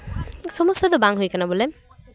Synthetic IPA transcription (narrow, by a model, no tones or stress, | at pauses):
sɔmɔsad̪ɔbaŋɦujkanabɔlem